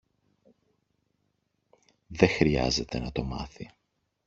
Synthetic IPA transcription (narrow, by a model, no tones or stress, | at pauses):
ðe̞xɾiɐ̰ze̞t̪e̞nɐt̪o̞mɐ̰θi